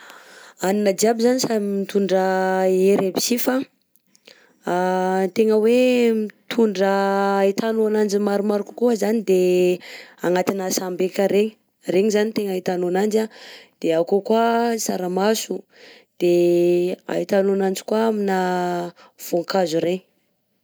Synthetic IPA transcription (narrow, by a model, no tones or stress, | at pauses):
aninad͡ʒiabizanisamit̪uɳɖ͡ʐəeɾebi̥sifa | t̪eŋəwemit̪ʰuɳɖ͡ʐəit̪anuanand͡ʒimaɾumaɾiku̥kuazanid̪e | aŋat̪inasambekəɾeɲi | reɲizanit̪eŋait̪anuanand͡ʒad̪̥eakokuasaɾamasu | d̪̥e | a̰it̪anuanand͡ʒi̥kwaamina | v̥oŋkazuɾeɲ